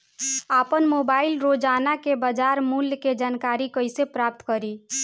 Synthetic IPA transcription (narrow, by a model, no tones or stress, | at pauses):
apənmobailɾod͡ʒanakebəd͡ʒaɾmuljked͡ʒankaɾikəjsepɾap̚t̪kəɾi